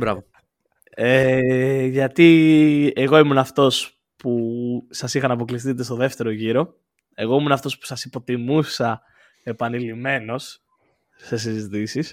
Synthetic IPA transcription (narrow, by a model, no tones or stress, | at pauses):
bɾɐ̰vo | e | ʝɐt̪ie̞ɣo̞imunɐft̪o̞s | pusɐsixɐnɐpo̞klis̬t̪it̪̬est̪o̞ðe̞ft̪e̞ɾo̞ʝiɾo̞ | e̞ɣo̞imunɐft̪o̞spu̥sɐsipo̞t̪imusɐ | e̞pɐnilime̞no̞sː | e̞s̬izit̪isis